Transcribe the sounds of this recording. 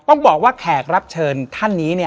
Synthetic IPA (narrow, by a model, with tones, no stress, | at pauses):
t̪ɔ˥˩ŋbɔː˨˩k̚waː˥˩kʰɛː˨˩k̚ɾa˦˥p̚t͡ɕʰɤː˧nt̪ʰa˥˩nːiː˦˥ni˥˩